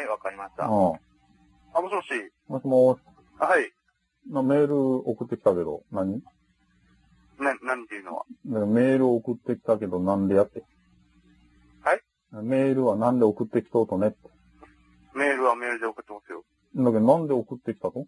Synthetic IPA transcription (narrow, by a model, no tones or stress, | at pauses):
haiβakaɾʲimaɕi̥t̪a̰ɯ̃ː | amoɕimoɕiː | moɕimas | hai | name̞ːɾɯ̟okɯ̟t̪ːe̞kʲi̥t̪ake̞d̪o̞̰naɲ̟i | naɲnãɲ̟it̪ːeɯ̟noβa̰d̪akeome̞ːɾɯ̟ookɯ̟t̪ːe̞kʲi̥t̪ake̞d̪o̞nãnd̪e̞jat̪ːe̞ | hai | ame̞ːɾɯ̟βanãnd̪e̞okɯ̟t̪ːe̞kʲi̥t̪oːt̪o̞ne̞t̪ːe̥ | me̞ːɾɯ̟βame̞ːɾɯ̟d̪e̞okɯ̟t̪ːemasɨjo̰ | nd̪akeonãnd̪e̞okɯ̟t̪ːekʲi̥t̪at̪o